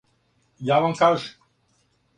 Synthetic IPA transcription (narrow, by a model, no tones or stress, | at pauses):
jaːʋamkaːʒɛ